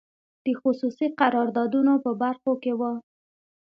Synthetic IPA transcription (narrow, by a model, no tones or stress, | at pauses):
d̪̥əxʊsusiqaɾɑɾd̪ɑd̪unopəbaɾxokewə